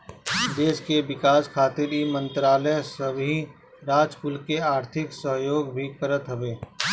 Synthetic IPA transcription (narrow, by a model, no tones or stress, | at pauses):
d̪eːʃkeʋɪkaːskʰaːt̪ɪɾimə̃nt̪ɾaːləsɐbɦĩ | ɾaːd͡ʒpʊlkeaːɾt̪ʰɪksəɦjoːɡbʱikəɾət̪ɦɐʋeː